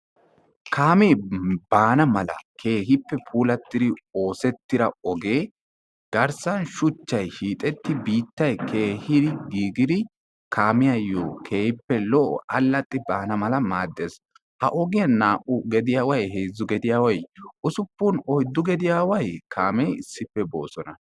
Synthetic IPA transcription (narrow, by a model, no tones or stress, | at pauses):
kʰaːmeːb̥aːnɐmɐlɐ̰kʰe̞ːɦɪpːɛpʰuːlɐt̪ːɪd̪ɪo̞ːsɛt̪ːɪɾɐɔɡeː | ɡ̥ɐɾsɐnʃʊt͡ʃːɐjʃiːt̪ʼɛt̪ːɪbiːt̪ːɐjkʰeːhɪd̪ɪɡiːɡɪd̪ɪ | kʰaːmɪjɐjo̰ːkʰeːhɪpːɛlɔʔɔ̰ʔɐlːɐt̪ʼːɪbaːnɐmɐlɐmaːd̪ːeːs | hɐ̰ʔɔɡɪjɐnaːʔʊɡɛd̪ɪjaːwɐjɦeːzːʊɡɛd̪ɪjaːwɐjʊsʊpːʊnɔjd̪ːʊɡɛd̪ɪjaːwɐjkʰaːmɛɪsːɪpːɛbo̞̰ːsɔnɐ